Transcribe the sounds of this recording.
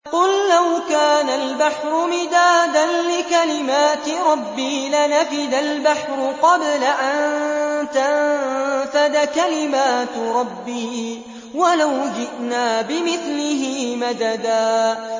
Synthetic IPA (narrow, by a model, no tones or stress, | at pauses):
qʊlːawkaːnalbaħɾʊmɪd̪aːd̪anlɪkalɪmaːt̪ɪɾˤɑbːiːlanafɪd̪albaħɾʊqɑblaʔant̪anfad̪akalɪmaːt̪ɾˤɑbːiː | walawd͡ʒɪʔnaːbɪmɪθlɪɦɪːmad̪ad̪aː